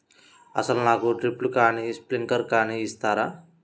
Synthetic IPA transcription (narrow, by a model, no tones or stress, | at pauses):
ɐsɐlunaːkuʈɾiplukaːnispliŋkɐɾkaːniːst̪aːɾaː